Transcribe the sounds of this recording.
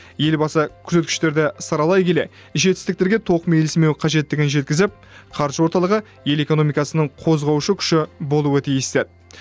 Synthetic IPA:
je̞lbɑsəkʲʰʏ̥ze̞t̪kʲɪ̥ʃt̪e̞ɾd̪ɪsɑɾɑlˠɑjkʲʰe̞le̞̰ | ʒe̞t̪ɪst̪ɪk̚t̪e̞ɾɡʲet̪ʰo̞qmejlɪsme̞wqʰɑʒe̞t̪ːɪɡʲɪnʒe̞t̪̚kʲɪzɪp̚qʰɑɾʒəwo̞ɾt̪ɑlˠəʁə | je̞le̞ko̞no̞mijkɑsənəɴqʰo̞zʁɑwʃəkʲʰʏ̥ʃɪbo̞lˠuət̪ʰijɪst̪ed̪ɪ

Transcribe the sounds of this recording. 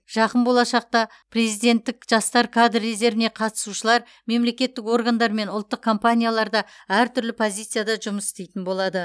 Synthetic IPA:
ʒ̥ɑqənbo̞lˠɑʃɑq̚t̪ɑ | pre̞zijd̪e̞nt̪ːɪkʒ̥ɑst̪ɑɾkʰad̪rːeze̞ɾvɪne̞qʰɑt̪ə̥suʃəlˠɑɾ | me̞mle̞kʲe̞t̪ːɪko̞rɡand̪ɑɾme̞nʊlˠt̪ːəq̚kʰːo̞mpanʲijalˠɑɾd̪ɑ | æɾt̪ʰʏɾlɪpʰo̞zʲijt̪sɨjad̪ɑʒʊməsɪ̥st̪e̞jt̪ɪnbo̞lˠɑd̪ə

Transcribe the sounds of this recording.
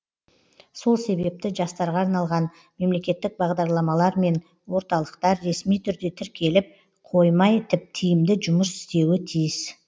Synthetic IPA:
so̞lˠse̞βe̞p̚t̪ɪʒɑst̪ɑɾʁɑːɾnɑlˠʁɑn | me̞mle̞kʲe̞t̪ːɪk̚bɑʁd̪ɑɾlˠɑmɑlˠɑɾme̞n | wo̞ɾt̪ɑlˠəqt̪ɑɾːe̞smijt̪ʰʏɾd̪e̞t̪ʰɪɾkʲe̞lɪp̚ | qʰo̞jmɑjt̪ʰɪp̚t̪ʰijɪmd̪ɪʒʊməsɪ̥st̪e̞wɪt̪ʰijɪs

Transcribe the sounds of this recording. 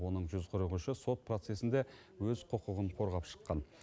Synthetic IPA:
o̞nəɴʒʏzqʰʊɾəʁuʃəso̞t̪̚pʰro̞t̪se̞sɪnd̪e | wɵzqʰʊqəʁəɴqʰo̞ɾʁɑpʃə̥qːɑn

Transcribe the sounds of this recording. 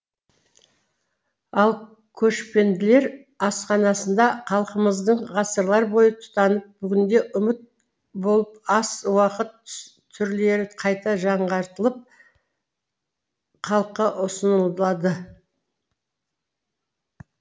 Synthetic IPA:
ɑlˠ | kʲʰɵʃpe̞nd̪ɪle̞ɾ | ɑsqɑnɑsənd̪ɑqʰɑlˠqəməzd̪əɴʁɑsəɾlˠɑɾbo̞jət̪ʰʊ̥t̪ɑnəp̚bʏɡʲɪnd̪e̞ʔʊmɪt̪̚ | bo̞lˠəpɑswɑqət̪ʰː | ʏɾle̞ɾɪqʰɑjt̪ɑʒɑɴʁɑɾt̪əlˠəp̚ | qʰɑlˠəqːɑʔʊsənəlˠd̪əlˠɑd̪ə

